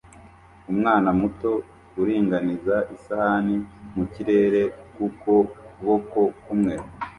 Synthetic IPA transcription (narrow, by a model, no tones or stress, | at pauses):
umŋaːnamuto̞ | uɾiːŋɡanizaʔisahanimuciɾe̞ːɾe̞kuko̞kuβoko̞kumŋe̞ɾa